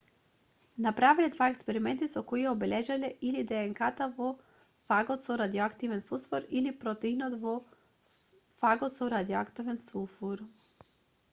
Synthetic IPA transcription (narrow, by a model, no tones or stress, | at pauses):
napɾavilɛd̪vaɛkspɛɾimɛnt̪isɔkɔiɛɔbɛlɛʒalɛʔilid̪ɛːŋkat̪avɔ | faɡɔt̪sɔɾad̪iɔakt̪ivɛnfusfɔɾilipɾɔt̪ɛinɔt̪vɔ | faɡɔt̪sɔɾad̪iɔakt̪ivɛnsulˠfuɾ